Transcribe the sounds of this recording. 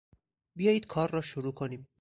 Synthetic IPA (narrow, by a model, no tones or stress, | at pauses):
bijɒːjiːd̪̥kʰɒːɾːɒːʃoɾuːkʰo̞niːm